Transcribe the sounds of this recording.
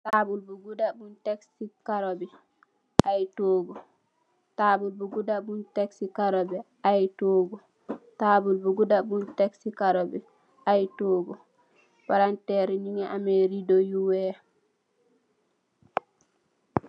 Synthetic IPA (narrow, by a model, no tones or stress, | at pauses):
tabulbuɡudabunteksikaɾobi | ʔajtoɡu | tabulbuɡudabunteksikaɾobɛ | ajtoɡu | tabulbuɡudabunteksikaɾobi | ajtoːɡu | paɾantɛɾiɲiŋeʔameɾidojuwe